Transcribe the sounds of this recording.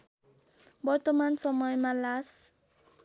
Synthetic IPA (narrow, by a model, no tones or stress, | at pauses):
bɔɾt̪ɔmansɔmɔjmalas